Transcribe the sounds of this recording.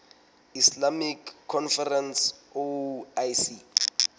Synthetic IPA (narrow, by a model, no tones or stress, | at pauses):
islamikʰːɔnfɛrɛnsoajsi